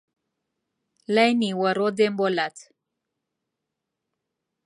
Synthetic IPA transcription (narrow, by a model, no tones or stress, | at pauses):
lajniwaɾod̪embolat̪